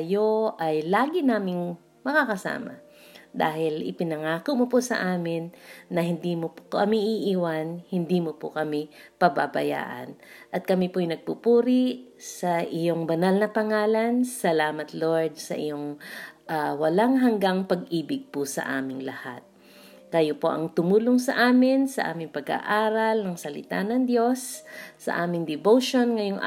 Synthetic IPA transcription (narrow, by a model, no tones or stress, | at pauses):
ɐjoʔɐjlaːɡɪnaːmɪŋ | mɐkakɐsa̰ːmɐ̰ | d̪aːhɪlɪ̰pɪnɐŋaːkomoposɐ̰ʔaːmɪnːɐhɪnd̪iːmopkɐmiʔiʔiwanhɪnd̪iːmopo̰kɐmɪpɐbabɐja̰ːʔɐ̰nʔɐt̪̚kɐmɪpojnɐɡ̚pupuːɾɪsɐʔɪjoŋbɐnalnɐpɐŋaːlɐnsɐlaːmɐt̪loɹd̪̚sɐ̰ʔɪ̰joŋʔawɐlaŋɦɐŋɡaŋpɐɡʔiːbɪɡ̚pʊsɐ̰ʔa̰ːmɪŋlɐha̰t̪̚ | kɐjopo̞̰ʔɐŋt̪ʊmuːloŋsɐʔaːmɪnsɐʔa̰ːmɪŋpɐɡa̰ʔaːɾɐlnɐŋsɐlɪ̰t̪a̰nɐŋd̪jo̞sːɐ̰ʔaːmɪŋd̪ɪvoʃonŋɐjoŋ